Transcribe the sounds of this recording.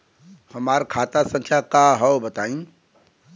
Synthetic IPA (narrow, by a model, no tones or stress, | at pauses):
həmaːɾkʰaːt̪asə̃ŋkʰjakaɦɛobət̪aːĩ